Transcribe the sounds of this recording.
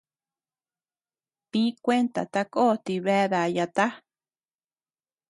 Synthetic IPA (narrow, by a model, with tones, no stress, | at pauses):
pĩ˦kʷe˦nt̪a̰˨t̪a˧ko˦˨t̪i˧˨βɛ˧˦ða˨ja˧t̪a˦